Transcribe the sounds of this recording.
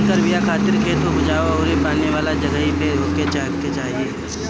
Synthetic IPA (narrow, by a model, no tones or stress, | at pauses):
k̪əɾbijakʰaːt̪ɪɾkʰeːt̪obʊd͡ʒaːoɔːɾipaːneʋaːlad͡ʒɐɡəɦipeɾoːket͡ʃaːɦket͡ʃaːɦieː